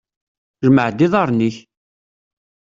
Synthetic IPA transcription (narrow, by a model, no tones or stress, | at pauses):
ʒəməʕd̪iðˤɑɾˤniç